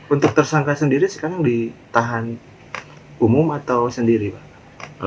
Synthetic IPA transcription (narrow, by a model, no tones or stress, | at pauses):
unt̪ʊk̚t̪ərsaŋkasəndiɾisə̥kaɾaŋdit̪aɦan | umʊmat̪awsəndiɾibah